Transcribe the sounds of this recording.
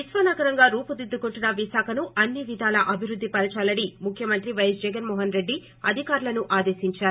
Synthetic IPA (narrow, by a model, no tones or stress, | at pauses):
isʋɐnaːɡɐɾɐŋɡaːɾuːpud̪id̪ːukoɳʈunɐʋiʃaːkʰɐnuʔɐnːiʋid̪ʱaːlɐʔɐbʱiɾud̪ʱːipɐɾɐt͡ʃaːlɐɽimukʰjɐmɐnt̪ɾiʋɐjɐsd͡ʒɛɡɐnmɔːɦɐnɾe̞ɖːi | ɐd̪ʱikaːɾulɐnuʔaːd̪e̞ːsiɲt͡ʃaːɾu